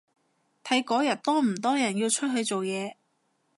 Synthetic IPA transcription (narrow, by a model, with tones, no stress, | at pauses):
t̪ʰɐ˨˥jkɔː˨˥jɐ˨˩t̚t̪ɔː˥m̩˨˩t̪ɔː˥jɐ˨˩nji˧wt͡ʃʰɵ˥t̚ɦɵ˨˧ɥt͡so˨wjɛː˨˧